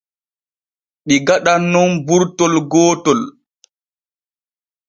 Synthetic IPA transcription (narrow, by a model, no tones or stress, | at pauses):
ɗiɡaɗanːɔnbuɾtɔlɡɔːtɔl